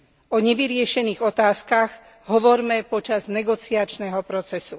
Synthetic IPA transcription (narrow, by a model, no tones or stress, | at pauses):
ɔɲɛʋiɾɪɛʃɛniːɣɔt̪aːskaɣ | ɦɔʋɔɾmɛpɔt͡ʃaznɛɡɔt͡siat͡ʃnɛɦɔpɾɔt͡sɛsu